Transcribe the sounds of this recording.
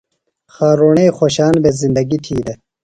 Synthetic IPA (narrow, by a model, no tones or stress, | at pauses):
xaːɾoɳexoɕaːnbezind̪ɐɡiʈʰiːd̪e